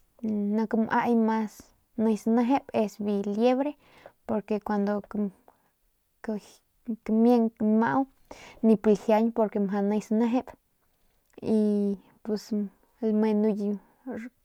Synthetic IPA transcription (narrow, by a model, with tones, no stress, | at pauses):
na˧kmʔa̰˧jma˧s | na˧jsna˧ɦe˦be˧sbi˧lje˦βɾe˦ | po˧ɾke˧kʷa˧nd̪o˧ | kmje˧ŋma̰˧w | ni˧pi˧hja˧ɲpo˧ɾke˧mɦa˧na˧jsna˦ɦe˦b | i˧ | pe˧s | lme˧nu˧j